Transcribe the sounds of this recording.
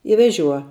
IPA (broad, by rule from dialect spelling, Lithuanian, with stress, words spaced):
ɪ ʋʲɛˈʒʲuɔ